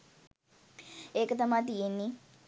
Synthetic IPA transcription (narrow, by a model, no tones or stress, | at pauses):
eːkət̪ɐmat̪ijenːi